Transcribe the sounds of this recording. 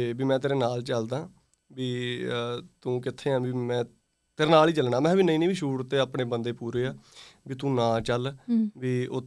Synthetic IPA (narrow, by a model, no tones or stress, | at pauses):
biːmɛ̃ːt̪eːɾeːnaːlt͡ʃəld̪ãː | biː | t̪ũːkɪt̪ʰːeːɦənbiːmɛ̃ː | t̪eːɾeːnaːliːt͡ʃəlɳaːmɛ̃ːbiːnəĩːnĩːʋiːʃuːɽt̪eːaːpɳeːbənd̪eːpuːɾeːaːbiːt̪ũːnãːt͡ʃəlbiːo